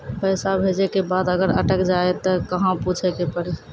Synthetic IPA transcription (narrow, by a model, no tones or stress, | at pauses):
pəsabʱed͡ʒekebad̪əɡəɾə̰ʈəkd͡ʒaet̪ɔkəɦãput͡ʃʰekepəɽi